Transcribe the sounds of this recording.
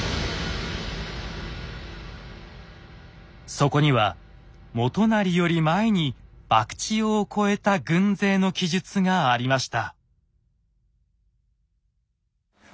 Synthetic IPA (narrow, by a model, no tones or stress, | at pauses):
so̞ko̞ɲ̟iβa | mo̞t̪o̞naɾʲijo̞ɾʲimaeɲ̟ib̥akɯ̟̥t͡ɕiokʰo̞e̞t̪aɡɯ̟̃nd͡ze̞ːno̞kʲiʑɨt͡sɨŋaːɾʲimaɕi̥t̪a